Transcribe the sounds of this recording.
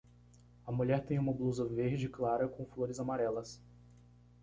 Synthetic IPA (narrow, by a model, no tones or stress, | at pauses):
ɐmuʎɛɾt̪ẽj̃ũmɐbluzɐveɾd͡ʒɪɪklaɾɐkõw̃floɾɪzamaɾɛlɐs